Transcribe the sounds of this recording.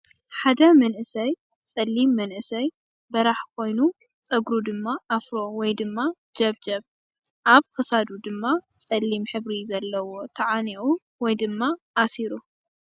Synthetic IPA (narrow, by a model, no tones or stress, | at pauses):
ħad̪ɐmɐnʔɨsɐj | t͡sʼɐlːimːɐnʔɨsɐj | bɐɾaħkʰo̞jnu | t͡sʼɐɡɾud̪ɨmːaʔafɾo̞wɔjd̪ɨmːa | d͡ʒɐβd͡ʒɐβ | ʔaβkʰɐsad̪ud̪ɨmːat͡sʼɐlːimħɨβɾizɐlːɐwo̞t̪ʰɐʕaniʔu | wɔjd̪ɨmːaʔasiɾu